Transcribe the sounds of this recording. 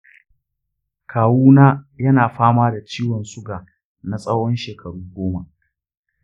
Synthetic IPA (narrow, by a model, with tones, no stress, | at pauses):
kʰaː˨wuː˦naː˦jɐ˦naː˨ɸaː˦maː˦da˨t͡ʃiː˦wɔ˨nsʊ˦ɡaː˨ | na˦sʼɐ˦wɔ˦nʃeː˨kʰɐ˨ɽuː˦ɡʷoː˦ma˨ʔ